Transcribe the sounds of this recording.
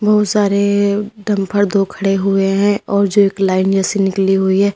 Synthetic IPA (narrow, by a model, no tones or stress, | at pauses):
bɐɦʊt̪saːɾeɖɐ̃mpʰəɾd̪oːkʰɐɽeɦʊeɦɛ̃ɔːɾd͡ʒoeːklaːɪnd͡ʒɛːsenɪkliɦʊiɦɛː